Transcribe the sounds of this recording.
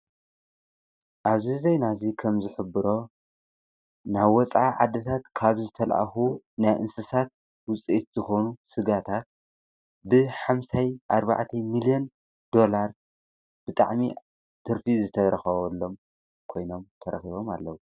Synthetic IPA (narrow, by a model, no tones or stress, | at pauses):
ʔaβzizejnazikʰɐmzɨħɨbɨɾo̞ | naβːɔt͡sʼʕaʕad̪ːɐt̪ʰat̪kʰaβzɨt̪ʰɐlʔa̰xu | najʔɨnsɨsat̪̚ | wʊt͡sʼiʔit̪zɨxo̞nusɨɡat̪ʰat̪̚ | bɨħamsajʔaɾba̰ʕt̪ʰɐmilijen | d̪o̞laɾ | b̥ɨt̪ʼa̰ʕmi | t̪ʰɨɾfizɨt̪ʰɐɾɐxɐβɐlːo̞m | kʰo̞jno̞mt̪ʰɐɾɐ̰xiβo̞ma̰lːɐwu